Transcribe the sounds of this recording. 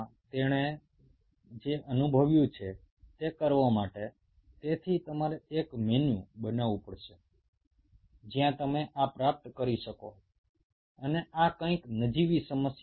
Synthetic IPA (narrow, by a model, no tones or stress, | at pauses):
t̪eɽ̃e | d͡ʒeʔənubʱəʋjũt͡ʃʰe | t̪ekəɾʋomaʈe | t̪et̪ʰit̪əmaɾeekmenjṵ̃bənaʋũpəɽʃe | d͡ʒjãt̪əmeʔapɾap̚t̪kəɾiʃəko̰ | əneʔakə̃ĩknəd͡ʒiʋisəməsj